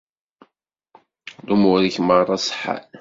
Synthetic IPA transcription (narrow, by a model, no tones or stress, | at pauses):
lumʊɾiçmərˤɑsˤħa̰l